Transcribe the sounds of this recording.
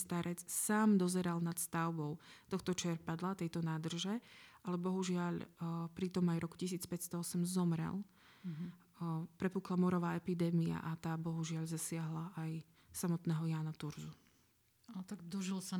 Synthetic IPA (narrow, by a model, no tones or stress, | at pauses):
st̪aɾʔɛt͡ssaːmd̪ɔzɛɾalnat̪st̪aʊbɔʊt̪ɔxt̪ɔt͡ʃɪɛɾpad̪lat̪ɛjt̪ɔnaːd̪r̩ʒɛʔalɛbɔɦuʒɪaʎpɾit̪ɔmajɾɔku̥cisiːt͡spɛcst̪ɔɔsɛmzɔmɾɛ̰l | pɾɛpuklamɔɾɔʋaːɛpid̪ɛːmia̰ʔat̪aːbɔɦuʒɪaʎzasɪaɦlaʔaj | samɔt̪nɛːɦɔjaːnat̪uɾzu | at̪aɡd̪ɔʒilsa